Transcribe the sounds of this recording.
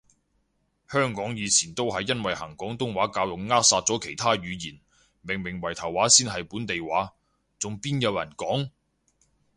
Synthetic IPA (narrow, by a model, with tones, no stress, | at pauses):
hœː˥ŋkɔː˨˥ŋjiː˨˧t͡sʰiː˨˩nt̪o˥wɦɐ˨jːɐ˥nwɐ˨jhɐ˨˩ŋkɔː˨˥ŋt̪ʊ˥ŋwaː˨˥kaː˧wjʊ˨k̚ŋaː˥k̚saː˧t̚t͡sɔː˨˥kʰe˨˩jt̪ʰaː˥ɥyː˨˧jiː˨˩n | mɪ˨˩ŋmɪ˨˩ŋwɐ˨˩jt̪ʰɐ˨˩wːaː˨˥siː˥nɦɐ˨jpuː˨˥nt̪e˨jwaː˨˥ | t͡sʊ˨ŋpiː˥njɐ˨˧wjɐ̰˨˩nkɔː˨˥ŋ